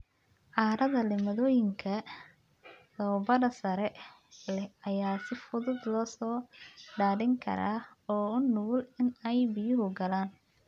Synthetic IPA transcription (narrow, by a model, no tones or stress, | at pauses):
ʕaːɾɐðɐlɛmɐðɔːjɪŋkʰɐ | lɔːbɐɽɐsɐɾɛ | lɛɐjaːsɪfʊðʊd̪lɔːsɔːɖaːðɪŋkʰɐ̰ɾa̰ː | ɔːʊnʊɣlɪnɛjbɪjʊɦʊɡɐlaːn